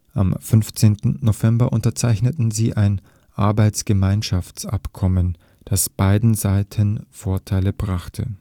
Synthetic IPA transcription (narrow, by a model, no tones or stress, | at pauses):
ʔa̰mfʏnft͡seːntn̩nːovɛmbɐʔʊntɐt͡saɪçnətn̩ziːʔaɪn | ʔaɐbaɪt͡sɡ̥əmaɪnʃaft͡sa̰pkʰɔmən | d̥asb̥aɪdn̩zaɪtʰənfoːɐtʰaɪləbʁaχtʰə̰